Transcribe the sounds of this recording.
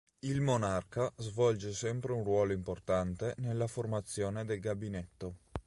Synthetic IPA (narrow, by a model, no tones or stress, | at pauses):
ilmonarkazvɔld͡ʒesɛmpɾeunrwɔːloimport̪ant̪enelːaformat̪sːjoːned̪elɡabinet̪ːo